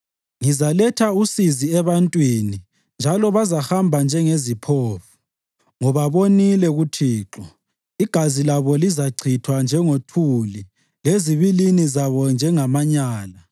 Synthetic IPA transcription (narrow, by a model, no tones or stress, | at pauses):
ŋizalɛtʰausiziɛβantʼwini | nd͡ʒʱalɔβazahambʱand͡ʒʱɛŋezipʰoːfu̥ | ŋɔβaβonilɛɣutʰiːǁɔ | iɡ̥ʱazilaβɔlizaǀʰitʰwand͡ʒʱɛŋotʰuli | leziβilinizaβɔnd͡ʒʱɛŋamaɲaːla